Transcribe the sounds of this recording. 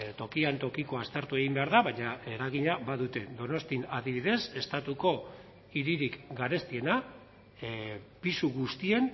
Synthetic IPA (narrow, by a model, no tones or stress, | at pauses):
t̪o̞kiant̪o̞kiko̞ast̪e̞ɾt̪ue̞ɣimbeaɾðaβajɲae̞ɾaɣ̞iɲaβaðut̪e̞d̪o̞no̞st̪inaðiβiðe̞se̞st̪at̪uko̞ | iɾiɾikɡaɾe̞st̪ie̞na | pisuɣust̪ie̞n